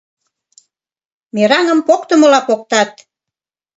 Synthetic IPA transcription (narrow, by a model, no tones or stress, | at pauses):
meɾɑŋə̆mpokt̪əmə̆lɑpok̚t̪ɑt̪̚